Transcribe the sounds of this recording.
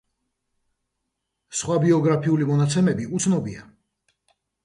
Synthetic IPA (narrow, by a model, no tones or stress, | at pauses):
sχwabiɔɡɾapʰiulimɔnat̪sʰɛmɛbiut̪sʰnɔbia̰